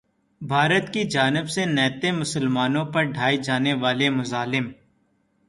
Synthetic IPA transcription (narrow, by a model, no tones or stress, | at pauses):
bʱaːɾət̪kid͡ʒaːnɪbsenɛːt̪emʊsəlmaːnõpɐɾɖʱaːid͡ʒaːneʋaːlemʊzaːlɪm